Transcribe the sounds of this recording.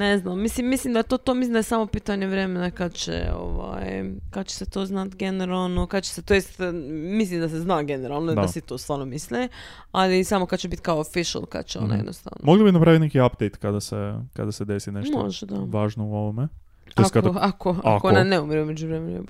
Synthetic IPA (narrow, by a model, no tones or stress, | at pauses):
neznamːislimːislimd̪ajet̪o̞ːt̪omislimd̪aesaːmo̞piːt̪aɲeʋɾe̞menakad̪t͡ɕḛo̰ʋa̰jkad̪t͡ɕe̥set̪o̞ːznat̪ɡeneɾalˠnokad̪t͡ɕe̥set̪ojest̪mislimd̪aseznaɡe̞neɾalˠnod̪asit̪o̞ːst̪ʋaːɾnomisli | alisamo̞kad̪t͡ɕebit̪kaoofiʃa̰lˠka̰d̪t͡ɕeonna̰j̰̪nost̪a̰ʋno̰moɡlibinapɾaʋit̪nekiapd̪ejt̪kad̪aseka̰d̪ased̪esineʃtmo̞̰ʒed̪aʋaːʒnouoʋome | okaakʰoaa̰koonaneumɾeumed͡ʑuʋɾemenue